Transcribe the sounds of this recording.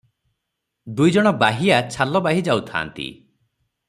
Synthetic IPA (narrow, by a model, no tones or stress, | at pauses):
d̪ujd͡ʒɔɽ̃ɔbaɦiat͡ʃʰalɔbaɦid͡ʒawt̪ʰa̰ːnt̪ḭ